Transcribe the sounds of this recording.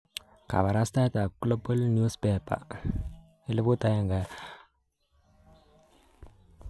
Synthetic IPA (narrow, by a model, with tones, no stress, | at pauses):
ka̰˨βa˨ɾa˦st̪a˦t̪a˨klo˦bu˦lnju˦speːpa̰˨ | ɪ˦lɪ˦bu˦t̪a˦ja˦ŋɡa